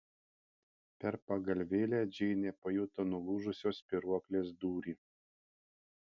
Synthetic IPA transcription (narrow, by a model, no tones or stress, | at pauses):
pʲɛɾpɐɡɐlʲʋʲeːlʲæːd͡ʒʲɛɪnʲepɐjʊːt̪ɐnʊlˠuːʒʊsʲoːspʲɪɾuɔklʲeːs̬d̪uːɾʲiː